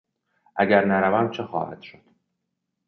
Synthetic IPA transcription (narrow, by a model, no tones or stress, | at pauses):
ʔæɟæɾnæɾævæmt͡ʃʰexɒ̰ːhæ̰d̪̥ʃo̞d̪̥